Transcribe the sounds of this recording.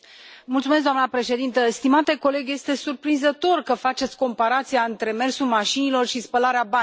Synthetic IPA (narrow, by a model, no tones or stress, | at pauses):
mult̪sumes̬d̪oanəpɾe̞ʃe̞d̪int̪əst̪imat̪e̞ko̞le̞ɡje̞st̪e̞surpɾinzət̪o̞rkəfat͡ʃe̞t̪sʲko̞mpaɾat̪sijaɨnt̪ɾe̞me̞rsulmaʃinilo̞rʃispəlaɾeaba